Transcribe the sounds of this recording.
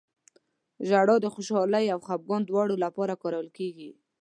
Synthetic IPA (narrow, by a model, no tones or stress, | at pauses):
ʒaɽɑd̪əxoʃɑlajawxab̚ɡɑnd̪wɑɽolapɑɾakɑɾawəlkeɡi